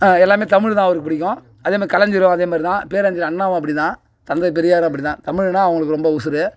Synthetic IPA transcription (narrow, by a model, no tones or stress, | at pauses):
aɛlːaːmeːt̪ɐmɪɻt̪ãːɐʋɐɾɯkːɯpːɪɽɪk̬ʲːʊ̃ | ɐðeːmaːɾɪkɐlɐɲd͡ʒɪɾʊ̃ɐðeːmaːd̪ɾit̪ãːpeːɾɐɲd͡ʒɪɾɐɳːaːʋɐ̃ɐp̬ːɐɽɪt̪ãː | t̪ɐnd̪ɐpɛɾɪjaːɾʊ̃ɐp̬ːɐɽɪt̪ãːt̪ɐmɪɻnaːɐʋɐŋɡɐɭɯkːɯɾɔmbɐʊsɪɾɯ